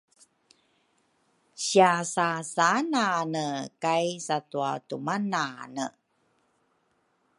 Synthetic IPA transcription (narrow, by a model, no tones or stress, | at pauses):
ɕiasasananəkajsatuatumananə̰